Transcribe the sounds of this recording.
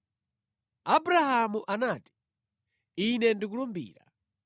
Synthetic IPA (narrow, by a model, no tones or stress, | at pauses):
abuɾahamuʔanaːti̥ | inɛndik̬ulɔmbḭːɾa